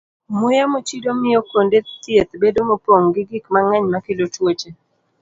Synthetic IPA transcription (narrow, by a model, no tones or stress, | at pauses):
mʊjamot͡ʃidomɪjɔkondet̪jet̪bedomopoŋɡɪɡɪkmaŋɛɲmakɪlot͡ʃwot͡ʃe